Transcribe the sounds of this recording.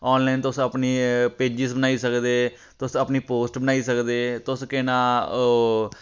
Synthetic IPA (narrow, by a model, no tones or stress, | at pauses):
ɔːnlaːnt̪ʊsəpniːpeːd͡ʒɪsbənaːiːsəkd̪eː | t̪ʊsəpniːpoːsʈbənaːiːsəkd̪eːt̪ʊskɪnãː